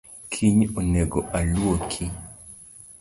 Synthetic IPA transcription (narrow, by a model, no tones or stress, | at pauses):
kʰiɲoneɡoʔalwokʰi